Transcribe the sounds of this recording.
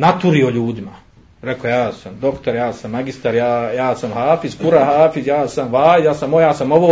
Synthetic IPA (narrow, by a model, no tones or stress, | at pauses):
nat̪uɾio̞ʎuːd̪ima | ɾe̞kojaːsamd̪o̞kt̪oɾjaːsamːaɡist̪aɾjaːjaːsamhaːfiskuɾahaːfizjaːsamʋaːjaːsamojaːsamo̞ʋo̞ː